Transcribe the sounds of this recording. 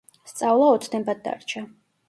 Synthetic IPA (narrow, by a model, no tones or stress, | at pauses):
st̪sʼavlˠaɔt̪ʰd̪ɛmbad̪̚d̪a̰ɾt͡ʃʰa